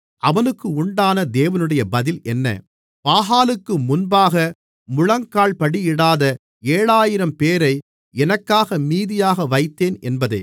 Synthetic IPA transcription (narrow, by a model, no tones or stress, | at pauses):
ʔɐʋɐnɯkːɯʊɳɖaːnɐd̪eːʋɐnɯɽɐjɐbɐðɪlɛnːɐ̰ | paːɦaːlɯkːɯmʊnbaːɣɐ | mʊɻɐŋkaːɭpɐɽiɪɽaːðɐ | eːɻaːjɪɾɐmpeːɾɐɪ | ɛnɐkːaːɣɐmiːðɪjaːɣɐʋɐɪt̪ːeːnɛnbɐðɐ̰ɪ